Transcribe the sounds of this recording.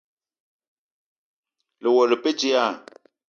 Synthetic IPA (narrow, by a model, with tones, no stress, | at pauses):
lɪ˨wɔ˨lɪ˨pe˦d͡ʒi˦a˦˨